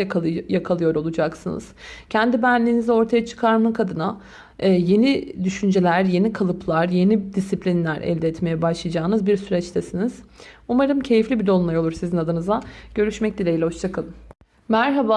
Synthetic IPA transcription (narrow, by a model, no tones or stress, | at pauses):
jakʰalˠɯjo̞ɾo̞lˠud͡ʒaksɯnɯ̰z̥cʰɛnd̪ibænlʲiːnizɛo̞ɾt̪ʰajat͡ʃʰɯ̥kʰaɾmɯkʰad̪ɯnaː | je̞nid̪yʃynd͡ʒelʲæɾje̞nikʰalˠɯpʰlˠaɾje̞nid̪isiplʲinlʲæɾɛ̰ld̪ɛːt̪me̞jɛbaʃlˠɯjad͡ʒaːnɯzbiɾsyɾɛt͡ʃt̪ʰɛsiniz̥ | umaɾɯmcʰe̞jiflʲibid̪o̞lˠmˠajo̞lˠuɾsizinad̪ɯnɯzaɟ̥ø̞ɾyʃmɛc̚d̪ilʲejilʲɛho̞t͡ʃt͡ʃʰakʰalˠɯm | mæɾɦaba